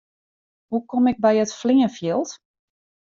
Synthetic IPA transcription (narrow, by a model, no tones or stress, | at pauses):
hukɔmɪɡ̚bɛjətflɪŋəfjɪlˠt